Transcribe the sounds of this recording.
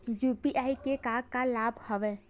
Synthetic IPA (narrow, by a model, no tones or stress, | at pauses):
juːpiʔaːikekaːɡkalaːbʱhɔʋɛː